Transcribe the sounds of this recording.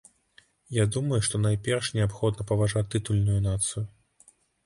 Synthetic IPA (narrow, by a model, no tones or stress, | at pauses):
jad̪umɐjuʂt̪ɔnajpʲɛrʂnʲɛapxɔd̪nɐpɐvaʐat̪ːɨt̪ulʲnujunat̪sɨju